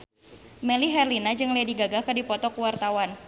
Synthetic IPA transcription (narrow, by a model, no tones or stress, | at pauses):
mɛliɦɛrlinad͡ʒɨŋlediɡaɡakədipɔt̪ɔkuwart̪awan